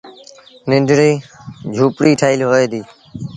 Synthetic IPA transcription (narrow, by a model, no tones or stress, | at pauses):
nɪnɖɾiːd͡ʒʱuːpɽiːʈʰaːilɦoːeːd̪iː